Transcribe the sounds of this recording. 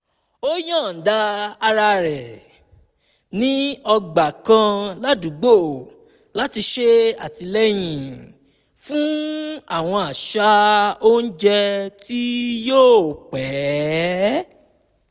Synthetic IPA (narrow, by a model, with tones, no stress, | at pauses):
o˦jã˦˨n̩˨da˧a˧ɾa˧ɾɛ˨ | nĩ˦ɔ˧ɡ͡ba˨kã˧la˦du˨˦ɡ͡bo˦˨ | la˦ti˧ʃe˦˧a̰˨ti˧lɛ˦j̃ĩ˨ | fũ˦a˦˨w̃ɔ̃˧a˨ʃa˦o˦n̩˦d͡ʒɛ˧ti˦joː˦˨k͡pɛ˨˦